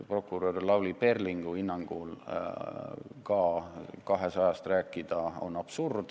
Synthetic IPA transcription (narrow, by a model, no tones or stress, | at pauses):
pro̞kːˑuɾorlɑwlipe̞rliŋɡ̥uinːɑŋɡ̥ul | kɑːkɑɦe̞sɑjɑst̪ræːkˑːid̪̥ɑo̞̰nːɑb̥surd̪̥